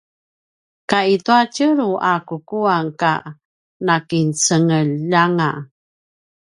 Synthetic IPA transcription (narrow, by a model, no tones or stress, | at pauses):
kaituacəɾuʔakukuaŋka̰ | nakint͡səŋəlːaŋa